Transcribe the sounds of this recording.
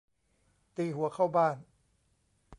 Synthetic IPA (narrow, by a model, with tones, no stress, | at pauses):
t̪iː˧ɦu˩˦ɐkʰa˥˩wbaː˥˩n